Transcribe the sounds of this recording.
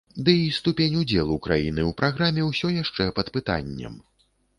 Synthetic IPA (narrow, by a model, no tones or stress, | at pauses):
d̪ɨist̪upʲenʲud͡zʲɛlˠukɾa̰jinɨwpɾʔaɣɾamʲɛwsʲɔjaʂt͡ʂɛpɐt̪pɨt̪a̰nʲːɛ̰m